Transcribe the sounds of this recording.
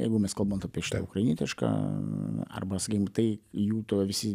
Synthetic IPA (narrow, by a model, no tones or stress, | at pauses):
jɛ̰ɪɡʊmʲɛskɐlˠboːnt̪ɐːpʲiɛʃɪ̥t̪ːʊkɾɐɪnʲiɛt̪ʲɪʃka̰ː | ɐ̰rbɐsɐkʲikʲmt̪ɐɪjuːt̪uʋʲɪsʲɪ